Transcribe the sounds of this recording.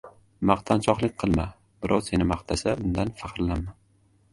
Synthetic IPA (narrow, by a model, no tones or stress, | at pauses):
mɑqt̪ʰant͡ʃʰɒqlˠɪk̚ʲqʰɨlˠma | b̥ɪɾʔɒw̪se̞nɪmaqt̪ʰasaʊnd̪anfɑqɾlanmːan